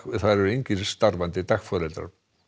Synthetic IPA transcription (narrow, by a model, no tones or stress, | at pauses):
θaðɾɛɾʏejɲcɪst̪aɾvant̪ɪt̪axfɔɾɛlt̪ɾa̰ɾ̥